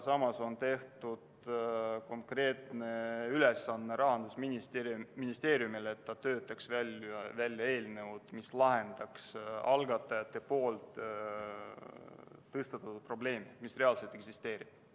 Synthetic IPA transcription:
sɑmɑso̞nt̪e̞ht̪ud̪̥ | ko̞ŋkre̞ːt̪ne̞yle̞sːɑnːeɾɑɦɑnd̪̥usminist̪eminist̪e̞ːɾjumilet̪ːɑt̪ø̞ːt̪ːˑɑksvælʲɑvælʲjɑe̞ːlne̞ud̪̥mislɑɦe̞nd̪̥ɑksɑlɡɑt̪ːˑɑjɑt̪ːˑe̞po̞ːlt̪ | ɤst̪ɑt̪ːɑt̪ːut̪̚pro̞ble̞ːmimisre̞ɑlset̪ˑeksist̪e̞ːɾib̥

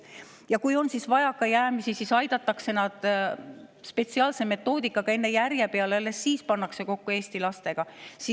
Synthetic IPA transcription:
jɑkujo̞nsisvɑjɑkːɑjæːmisisisɑjd̪̥ɑt̪ːˑɑkse̞nɑd̪̥ | spe̞t̪siɑːlse̞me̞t̪ːˑo̞ːd̪ikːˑɑɡ̥ɑe̞nːe̞jærjepeɑlelesiːspɑnːɑkse̞ko̞kːue̞ːst̪ilɑst̪e̞ɡ̥ɑsi

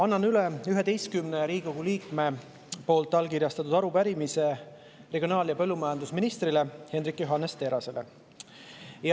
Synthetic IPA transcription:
ɑnːɑnyleyɦe̞d̪e̞jst̪̚kymneɾiːɡi̥koɡ̥uliːkme̞ | po̞ːlt̪ˑːɑlkiɾjɑst̪ɑt̪ˑud̪̥ɑɾupæɾimise̞ | re̞ɡʲionɑːljɑpɤ̞lːumɑjɑnd̪usminist̪ɾile̞he̞nɾikːˑjoɦɑnːest̪e̞ːɾɑse̞le̞̰ | jɑ

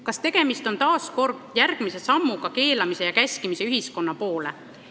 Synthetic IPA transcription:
kɑst̪e̞ɡ̥e̞mist̪o̞nt̪ɑːsko̞rdjærɡ̥mise̞sɑmːuɡ̥ɑke̞ːlɑmise̞jɑkæsʲkimise̞yɦisko̞nːɑpo̞ːle̞̰

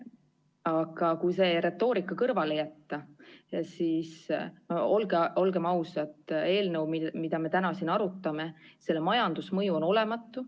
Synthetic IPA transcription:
ɑɡ̥ɑkujse̞ɾe̞t̪ːo̞ːɾikːˑɑkɤrvɑle̞jæt̪ːɑsiːsmɑo̞lɡeo̞lɡe̞mɑwsɑt̪ːˑe̞ːlnəwmimid̪̥ɑme̞t̪ænɑsinɑɾut̪ːˑɑme̞se̞lːemɑjɑnd̪̥usmɤjuo̞no̞le̞mɑt̪ːˑu

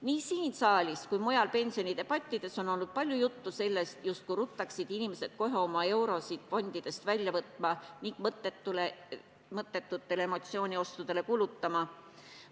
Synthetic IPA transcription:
niːsiːnsɑːlʲiskujmujɑlpe̞nʲsio̞nʲit̪e̞b̥ɑt̪ʲːˑid̪̥e̞so̞no̞lːud̪̥̚pɑlʲjujut̪ːuse̞lːe̞st̪just̪̚kuɾut̪ːɑksid̪̥inʲimese̞d̪̥̚ko̞ɦeo̞mɑe̞wɾo̞sid̪̥fo̞nd̪̥id̪̥e̞st̪vælʲjɑvɤt̪ˑmɑniŋɡ̥mɤt̪ːˑet̪ːule | mɤt̪ːˑe̞t̪ːˑut̪ːe̞le̞mo̞t̪sio̞ːnʲio̞st̪ud̪̥e̞le̞kuːlut̪ːɑmɑ

